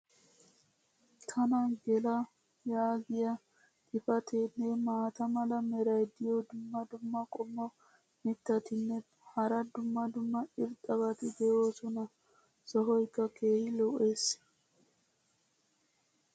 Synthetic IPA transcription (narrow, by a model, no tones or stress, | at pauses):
t̪ʰɐnɐɡɛlɐ | jaːɡɪjɐ | k̪ʼɪfɐt̪ʰenːɛmaːt̪ɐmɐlɐmɛɾɐjd̪ɪjɔd̪ʊmːɐd̪ʊmːɐkʼɔmːɐ | mɪt̪ːɐt̪ɪnːɛ | hɐɾɐd̪ʊmːɐd̪ʊmːɐʔɪbt̪ʼːɐβɐt̪ɪd̪ɛjoːsɔnɐ | sɔɦɔjkːɐkeːhɪlɔʔeːs